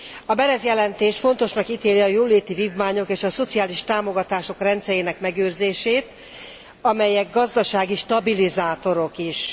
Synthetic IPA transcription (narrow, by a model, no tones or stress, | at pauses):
ɒbɛɾɛzjɛlɛnt̪eːʃfo̞n̪t̪o̞ʃnɒkit̪eːliɒjoːleːt̪iviːvmaːɲo̞keːʃɒso̞t̪siaːliʃt̪aːmo̞ɡɒt̪aːʃo̞krɛnt̪sɛjeːnɛkmɛɡøːrzeːʃeːt̪ | ɒmɛjɛɡɡɒzd̪ɒʃaːɡiʃt̪ɒbilizaːt̪o̞ɾo̞kiʃ